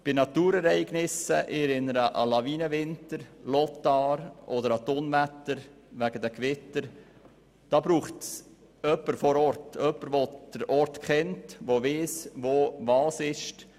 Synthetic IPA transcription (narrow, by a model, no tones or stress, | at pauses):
b̥ɪnɑt̪uːɾɛɾɛɪɡnɪsəʔɪɾɪnəɾəʔɑ̰lɑviːnəvɪntəɾlɔtɑːɾɔd̪əɾɑt̪oːnvætəɾ | ʋæɡ̥ədəkʋɪtəɾ | d̥ɑːbɾuːχts | œpːəɾfɔɾɔɾtœpːəɾʋod̪̥əɾɔɾtkχɛntʋoʋɪːsʋovɑːsɪʃt